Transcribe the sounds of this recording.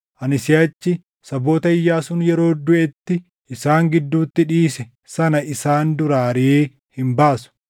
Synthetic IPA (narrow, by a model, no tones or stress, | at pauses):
ʔɐnɪsɪɐt͡ʃːɪ | sɐbo̞ːt̪ɐɪjːaːsʊnjɛɾo̞ːd̪ʊʔɛt̪ːɪ | ʔɪsaːŋɡɪd̪ːuːt̪ːɪᶑiːsɛ | sɐnɐʔɪsaːnd̪ʊɾaːɾieː | hɪmbaːsʊ̥